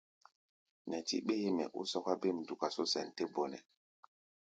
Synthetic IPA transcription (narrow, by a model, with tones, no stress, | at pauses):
nɛ˨tḭ˦ɓe˦he˦mɛ̰˨ʔṵ˦sɔ˦ka˦be˦˨m˨du˨ka˨so˦sɛ˨nte˦bɔ˨nɛ̰˨